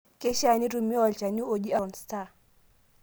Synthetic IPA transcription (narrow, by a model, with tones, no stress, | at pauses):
kɛ˦ʃa˨ni˦tu˨mi˦wa˨lt͡ʃa˨ɲu˦o˨ʄi˦a˦˨nsta˦